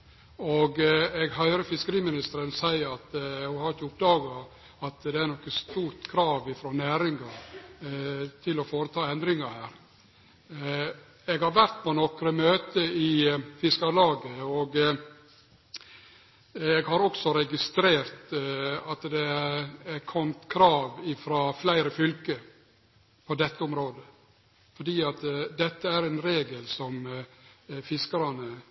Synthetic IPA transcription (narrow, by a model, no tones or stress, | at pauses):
oɡɛɡhœʏɾəfɪskəɾiːmɪnɪst̪əɾənsæɪəɾɑt̪hʊhɑɾɪçəʊp̚d̪ɑːɡɑ | ɑt̪d̪ɛæɾnɔkːəst̪uːɾt̪kʰɾɑːʋɪfɾɔːnæːɾɪŋɑɾ | t̪ʰɪlɔfoːɾət̪ʰɑːɛnd̪ɾɪŋɑɾhæːɾ | ɛɡhɑɾʋæɾt̪pʰɔnɔkɾəmøːt̪əɪfɪskɑɾlɑːɡəɔɡ | ɛɡhɑɾɔksɔɾɛɡɪst̪ɾeːɾt̪ɑt̪d̪ɛæɾækʰɔmt̪kʰɾɑːʋɪfɾɑːflæɪɾəfʏlkə | pʰɔd̪ɛt̪ʰːəʊmɾoːd̪ə | fɔɖiːɑt̪d̪ɛt̪ːəæɾɛnɾeːɡəlsɔm | fɪskəɾɑnə